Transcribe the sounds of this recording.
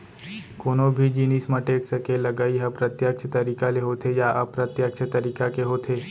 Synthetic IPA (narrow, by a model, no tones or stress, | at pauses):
koːnobʱid͡ʒiːnismɐ̃ʈeːksɐkelɐɡaiɦɐpɾɐt̪jəkt͡ʃʰət̪ɐɾiːkaleɦoːt̪ʰejaʔɐpɾɐt̪jəkt͡ʃʰət̪ɐɾiːkakeɦoːt̪ʰeː